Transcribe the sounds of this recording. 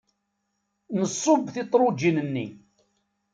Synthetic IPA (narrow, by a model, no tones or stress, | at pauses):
nəsˤːobθit̪ˤɾˤod͡ʒinənːi